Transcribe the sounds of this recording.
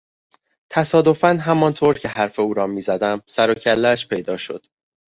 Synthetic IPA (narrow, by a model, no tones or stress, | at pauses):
t̪ʰæsɒːd̪o̞fænɦæmɒnt̪ʰoːɾcʰe̞hæɾfe̞uːɾɒːmiːzæd̪æmsæɾocʰælːæʃpʰe̞jd̪ɒːʃo̞̰d̪̥